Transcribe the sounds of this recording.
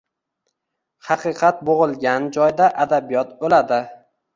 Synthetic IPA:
hɑqʰɨqʰɑt̪̚boʁɨlˠɡʲand͡ʒɒjd̪aʔad̪abijɒt̪bolad̪ɪ

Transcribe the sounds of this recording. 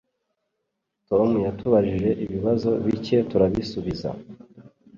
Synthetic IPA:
to̞mujatuβaɾiʒe̞ʔiβiβazo̞βice̞tuɾaβisuβiza̰

